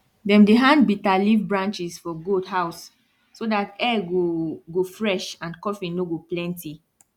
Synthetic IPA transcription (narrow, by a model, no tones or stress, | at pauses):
dɛ̃mdeɦãnd̚bitalivbɹãnt͡ʃisfɔɡudɦaʊsː | odatɛɡoɡofɹɛʃãnkɔfĩnoɡoplɛ̃ntʰi